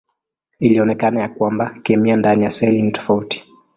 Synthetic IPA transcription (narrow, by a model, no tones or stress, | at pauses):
iliɔnɛkanajakwambakɛmiandanijasɛlinitɔ̥fauti̥